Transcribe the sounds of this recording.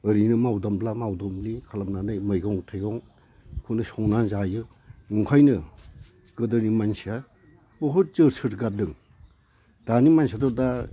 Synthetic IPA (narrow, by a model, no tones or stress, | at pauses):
ɯɾinɯmawdɔmblamawdɔmlikʰalamnanɯjmɯjɡɔŋtʰajɡɔŋ | kʰɯnɯsɔŋnanzajɯ | nuŋkʰajnɯ | ɡɯdɯnimansa | bɔɦɯɾt͡ʃɯɾsʰɯɾɡadɯŋ | d̥animansadɔda